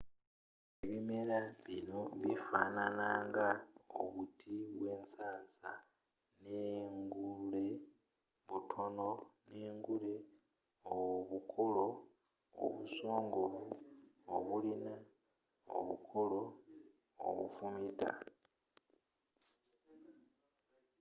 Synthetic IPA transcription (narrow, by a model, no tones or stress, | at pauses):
eβime̞ɾaβinoβifananaːŋɡao̰βutʰiβwe̞ːnsaːsa | neŋɡule | βutʰo̞no̞neːŋɡule | oβukʰolo̞̰ː | βusoːŋɡoβuoβulina | o̰βṵkʰolo̞ | o̰βṵfumita̰